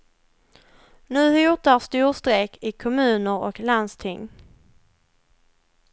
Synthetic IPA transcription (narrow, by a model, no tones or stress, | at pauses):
nʉ̟ːhʏtast̪uːɾst̪ɾeːkʰɪkʰɔmʉ̟ːnəɾɔ̰kland̪st̪ʰɪŋː